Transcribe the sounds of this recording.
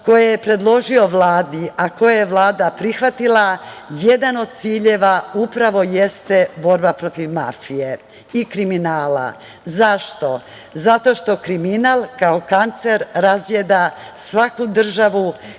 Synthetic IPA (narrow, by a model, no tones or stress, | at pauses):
ko̞jejepɾe̞d̪lˠo̞ʒio̞ʋlˠaːd̪iʔako̞jajeʋlˠaːd̪apɾixʋat̪ilajed̪ano̞d̪̚t̪siːʎe̞ʋaupɾaʋo̞je̞st̪e̞bo̞ɾbapɾo̞t̪iʋma̰fije̞ | ikɾiminaːla̰ | zaʃt̪o̞ | zat̪o̞ʃt̪o̞kɾiminaːlˠkaokant̪seɾɾazjed̪a | sʋakud̪r̩ʒaʋu